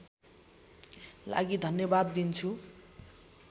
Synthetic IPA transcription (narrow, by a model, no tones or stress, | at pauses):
la̰ɡid̪ʱʌnjʌbad̪ːint͡sʰu